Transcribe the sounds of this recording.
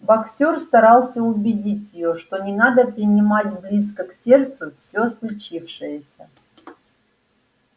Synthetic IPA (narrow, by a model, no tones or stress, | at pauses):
bɐksʲorst̪ɐɾɑlˠsʲəʊbʲɪdʲitʲjɪjo̞ʂt̪o̞nʲɪnad̪əpɾʲɪnʲɪmatʲblʲis̬kəksʲe̞rt̪sʊfsʲosklʲʊt͡ɕifʂɨjəsʲə